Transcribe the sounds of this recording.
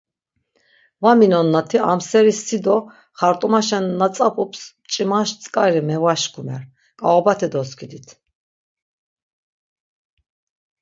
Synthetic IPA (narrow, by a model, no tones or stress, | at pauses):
vaminɔnːat̪ʰia̰msɛɾisːid̪ɔ | χaɾt̪ʼumaʃɛnːat͡s̪ʼapʼupʰs | t͡ʃʼimaʃt͡sʼkʼaɾimɛvaʃkʰumɛ̰ɾ | kʼaɔbat̪ʰɛd̪ɔskʰid̪it̪ʰ